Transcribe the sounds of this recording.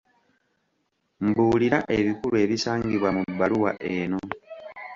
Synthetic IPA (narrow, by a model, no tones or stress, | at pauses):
mbuːliɾaʔeβikulue̞βisaːŋɡiβwamubːaluwa̰ʔe̞ːno̞